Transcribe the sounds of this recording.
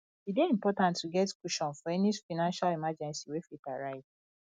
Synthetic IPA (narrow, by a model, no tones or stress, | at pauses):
ideĩmpɔtãntʰːuɡɛtkuʃɔ̃nfɔɛnifaɪnãnʃalimad͡ʒɛ̃nsiwefitaɹaɪd